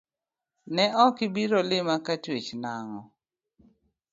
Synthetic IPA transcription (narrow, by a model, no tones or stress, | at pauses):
nɛʔɔkɪbiɾolɪmakatwet͡ʃnaŋɔ